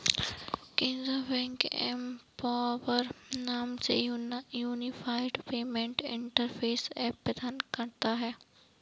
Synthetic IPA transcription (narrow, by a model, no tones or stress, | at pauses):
kɪ̃nzabɛ̃ŋkɛmpaːʋəɾnaːmsḛjuːnɪfʰaːɪɖpeːmẽɳʈɪ̰̃ɳʈəɾpʰeːsɛːpːɐd̪aːnkɐɾt̪aɦɛː